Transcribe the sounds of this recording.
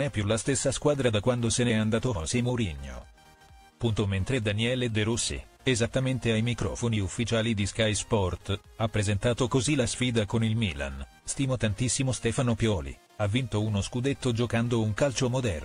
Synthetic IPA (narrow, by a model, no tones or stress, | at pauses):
nɛpːjulast̪esːaskwaːd̪ɾad̪akwand̪osenɛand̪aːt̪osemoɾiɲːo̰ | pːunt̪oment̪ɾed̪aniɛːled̪eɾusːḭ | ezat̪ːament̪eajmikɾɔ̰ːfoniufːit͡ʃaːlid̪iskajspɔrt̪ | apːɾezent̪aːt̪okozilasfiːd̪akonilmila̰n | st̪iːmot̪ant̪isːimost̪ɛfanopjɔːlḭ | avːint̪ounoskud̪et̪ːod͡ʒokand̪ouŋkalt͡ʃomod̪ɛrn